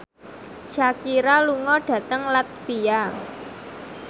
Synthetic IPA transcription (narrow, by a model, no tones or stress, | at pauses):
t͡ʃakiɾaluŋɔɖ̥ä̤t̪əŋlat̪̚pija